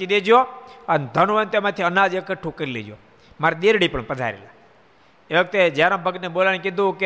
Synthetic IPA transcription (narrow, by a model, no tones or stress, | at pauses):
t͡ʃid̪ed͡ʒjoənd̪ʱənʋənt̪emãt̪ʰiənad͡ʒekəʈʰːũkəɾilḛd͡ʒjo̰ | maɾiɗ̪eɾɽipəɳpəd̪ʱa̰ɾḛla | eʋəkt̪ed͡ʒjaɾãbʱəɡ̪neɓolanekɪd̪ʱũke